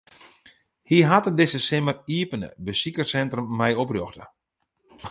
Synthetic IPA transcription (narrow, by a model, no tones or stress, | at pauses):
hiɦatədɪsəsɪməriəpənə̰bəsikərsɛntrəmːɛjoproxtə̰